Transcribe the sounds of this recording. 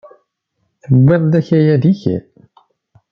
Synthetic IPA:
θəwːɪðˤd̪æçæjæðiçæ̰

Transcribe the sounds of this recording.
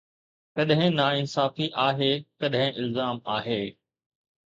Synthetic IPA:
kɐɗɦɪ̃naːɪnsaːfiʔaːɦeːkɐɗɦɪ̃ʔɪlzaːmaːɦeː

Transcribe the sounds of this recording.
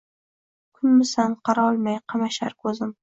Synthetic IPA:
kʰʊnmɪsanqʰɑɾɒlˠmajqʰɑmaʃaɾkʰɵzɪm

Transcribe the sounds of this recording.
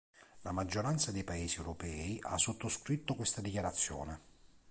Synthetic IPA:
lamad͡ʒːoɾant̪sad̪ejpaeːsiɛwɾopɛːiʔa̰sːot̪ːoskɾit̪ːokwest̪ad̪ikjaɾat̪sːjɔ̰ːne

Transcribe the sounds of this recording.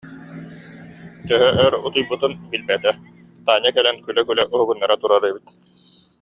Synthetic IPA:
t̪œɦœʔœɾut̪ujbɯt̪ɯnbilbɛt̪ɛ | t̪aːɲakɛlɛnkylɛkylɛʔuɦuɡunːaɾat̪uɾaɾɛbit̪̚

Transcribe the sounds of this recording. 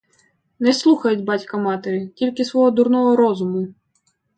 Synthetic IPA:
nɛslˠuxɐjʊtʲbɑtʲkɐmɑt̪eɾʲitʲilʲkɪsʋɔɦɔd̪uɾnɔɦɔɾɔzʊmʊ

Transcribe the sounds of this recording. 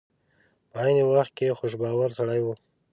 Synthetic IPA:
pəɑjnewaxt̪̚kexoʃ̬bɑwaɾsaɽajwu

